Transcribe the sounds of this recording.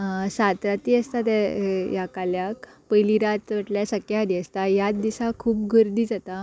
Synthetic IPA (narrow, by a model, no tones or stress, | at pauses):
sat̪ɾat̪iːəst̪at̪̬ɛjakaljakpəjliɾat̪ʋaʈljasəkjaɦad̪iəst̪ajat̪d̪isakʰuːp̚ɡʱəɾd̪iːd͡zat̪a